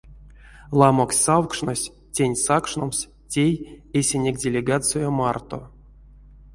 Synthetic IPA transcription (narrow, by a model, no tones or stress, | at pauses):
lˠamoksʲsawkʂnosʲ | tʲenʲsakʂnoms | tʲejesʲenʲekʲdʲelʲeɡat̪sɨjomart̪o̰